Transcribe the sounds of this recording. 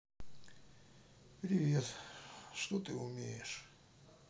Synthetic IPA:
pɾʲɪvʲet̪ʂt̪ot̪ɨʊmʲejɪʂ

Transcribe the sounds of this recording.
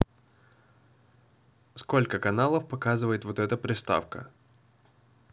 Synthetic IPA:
sko̞lʲkəkɐnalˠəfpɐkazɨvəjɪt̪vot̪ɛt̪əpɾʲɪst̪a̰fkə̰

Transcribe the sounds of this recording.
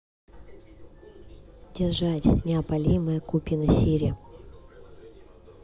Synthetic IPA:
dʲɪrʐatʲnʲɪɐpɐlʲimɨjəkupʲinɐsʲiɾʲɪ

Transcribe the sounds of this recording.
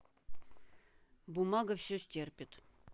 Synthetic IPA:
bumɑɡəfsʲosʲtʲerpʲɪt̪

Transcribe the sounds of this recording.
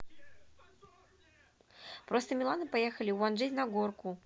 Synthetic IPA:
pɾɔst̪ɐmʲilˠanɨpajɛxɐlʲiwwanʐɛtʲnɐɡɔrku

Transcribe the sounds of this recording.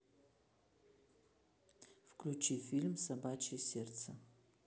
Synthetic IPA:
fklʲut͡ʃʰifʲilʲmsabat͡ʃʰejsʲertt͡sʰɐ

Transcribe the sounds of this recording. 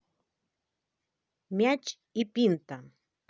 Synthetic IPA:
mjat͡ʃ | ɪpɪnt̪a

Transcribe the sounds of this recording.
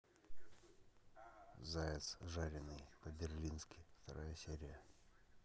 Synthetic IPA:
zaɪt̪sʐaɾʲɪnɨjpəbʲɪrlʲinskʲɪft̪ɐɾʔajəsʲeɾʲɪjə

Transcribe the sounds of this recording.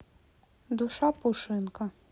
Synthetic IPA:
d̪ʊʃɑpʊʃɪnkɐ

